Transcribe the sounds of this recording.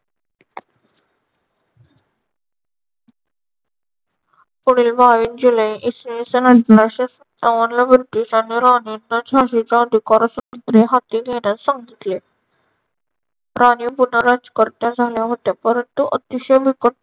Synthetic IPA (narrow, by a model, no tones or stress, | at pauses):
puɽiːlbʱaʋiːnd͡ʑuləiʔisnisənəʈlaɕes | aʋanlabɾʈ̪iɕaniɾaninːəd͡ʑʱaɕid͡ʑãd̪ikɔɾɔsut̪ɾeɦat̪iːɡʱeɽ̃jasaŋɡit̪le | ɾʔanipunəɾad͡zkəɾt̪jãd͡zʱaljaɦot̪japəɾənt̪uʔət̪iɕəjbʱikə